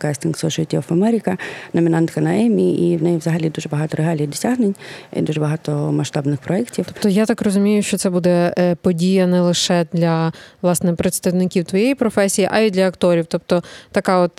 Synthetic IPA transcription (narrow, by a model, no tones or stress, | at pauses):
kasʲt̪ʲinksˠɔʃɔɪt̪ʲifɐmɛɾʲɪkɐnɔmʲinɑnt̪kɐnɐɛmʲiʔiwnɛjɛʋzɐɦɐlʲid̪uʒɛbɐɦɑt̪ɔɾeɦɑlʲijid̪ɔsʲaɦnenʲḭd̪uʒɛbɐɦɑt̪ɔmɐʃt̪ɑbnɪxpɾɔɛktʲiwt̪ɔjat̪ɑkrɔzʊmʲijʊʃt͡ʃɔt̪sɛbud̪ɛpɔdʲijɐnɛlˠɪʃɛd̪lʲɐʋlˠɑsnɛpɾet̪st̪ɐwnɪkʲiwt̪ʋɔjejipɾɔfɛsʲijiʔɐid̪lʲɐɐkt̪ɔɾʲiwt̪ɔp̚t̪ɔt̪ɐkɑɔt̪